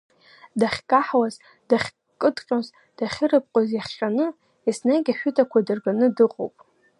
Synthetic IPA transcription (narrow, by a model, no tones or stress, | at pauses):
daχʲkʼaħwaz | daχʲ | kʼɨdqʲʼoz | d̥aχʲɪrɨp̚ʼqʷʼazjaχʲʼanɨ | isnaɡʲaħʷᶣʊtʰʼakʷʰadɨrɡanɨdɨqʼo̰wpʼ